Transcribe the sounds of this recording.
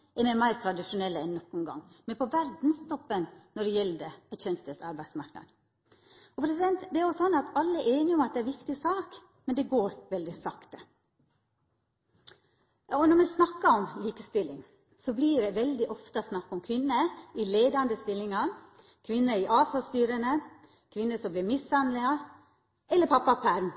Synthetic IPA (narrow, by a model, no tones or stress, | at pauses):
ɛmɛmæɪɾt̪ʰɾɑd̪ɪʂʊnɛlːəɛnːɔkːʊnɡɑ̰ŋːmɛnpʰɔʋæɾd̪n̩st̪ɔpːənnɔɖɛjɛlːəd̪ɛæçœnst̪əsɑɾbæɪd̪smɑɾknɑ̰d̪ | ɔpʰɾɛs̬ɪd̪ɛnt̪d̪ɛæɾjʊsɔnːɑt̪ʰɑlːəɛʔeːnɪɔmɑt̪̚d̪ɛæɾʋɪkt̪ɪsɑːk | mɛnd̪ɛɡoːɾʋɛld̪ɪsɑkt̪ə | ɔnɔmɛsnɑkːɑɔmliːkəst̪ɪlːɪŋ | sɔbliːɖɛʋɛld̪ɪʔɔft̪əsnɑkːɔmkʰʋɪnːəɪleːd̪ɑnd̪əst̪ɪlːɪŋɑ | kʰʋɪnːəɪʔɑːsɑst̪yːɾənə | kʰʋɪnːəsɔmblɪɾmɪsːɑnlɪɑ | ɛlːəpʰɑpːɑpʰæɾm